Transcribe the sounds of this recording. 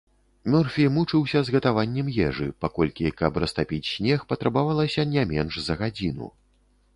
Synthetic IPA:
mʲɔrfʲijmut͡ʂɨwsʲɐzɣɐt̪avanʲːɛmjɛʐɨ̰pakɔlʲkʲikɐprɐst̪apʲit͡sʲsʲnʲɛxpɐt̪ɾɐbavalˠɐsʲɐnʲɛmʲɛnʂzɐɣad͡zʲinṵ

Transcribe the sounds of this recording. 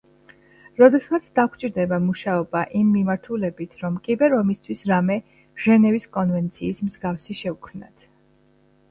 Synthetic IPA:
ɾɔd̪ɛsat̪sʰd̪akʷʰt͡ʃʼiɾd̪ɛbamuʃaɔbaʔimːimaɾt̪ʰulɛbit̪ʰɾɔmkʼibɛɾɔmist̪ʰwisɾamɛ | ʒɛnɛviskʼɔnvɛnt̪sʰiːsmzɡafsiʃɛukʰmna̰t̪ʰ

